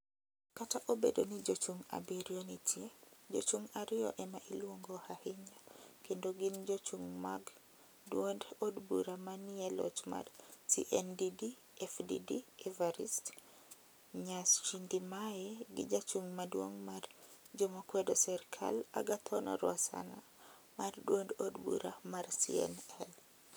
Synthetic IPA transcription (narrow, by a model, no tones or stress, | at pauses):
kataʔobḛdonid͡ʒot͡ʃuŋa̰biɾjonitʰjed͡ʒo̰t͡ʃuŋaɾɪɔ̰ʔɛmaʔilwoŋɡohahɪɲakendoɡind͡ʒot͡ʃuŋma̰ɡ | dwondodbṵɾamaniɛlɔ̰t͡ʃma̰dsḭʔɛndidi | ɛfdḭdiɛvaɾist | ɲast͡ʃindimajɛɡḭd͡ʒat͡ʃuŋmadwoŋmar | d͡ʒomakwɛdosɛrkʰa̰la̰ɡat̪ʰɔnɔ̰ɾwasa̰na | mardwondodbṵɾamarsiɛ̰nɛl